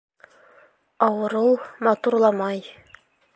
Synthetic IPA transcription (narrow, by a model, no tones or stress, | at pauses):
ɑwɤ̆ɾɤlˠmɑt̪uɾlˠɑmɑj